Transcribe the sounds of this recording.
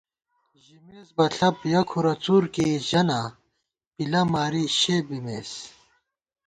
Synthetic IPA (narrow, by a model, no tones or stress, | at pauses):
ʑimeːzbɐɬʰɐpjɐkʰuɾɐt͡suːɾkeʑɐna | pilɐmaːɾiɕeːbimeːs